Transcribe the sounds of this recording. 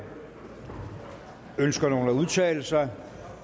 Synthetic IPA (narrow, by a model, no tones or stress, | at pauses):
ønsɡ̥ɐno̝ːn̩æuð̞ˠt͡sʰɛ̰ːləsɑ̈ɪ